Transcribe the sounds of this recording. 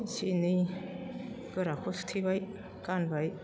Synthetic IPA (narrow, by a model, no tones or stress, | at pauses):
sini | ɡ̥ɯɾakʰɔst̪ʰibaj | kanbaj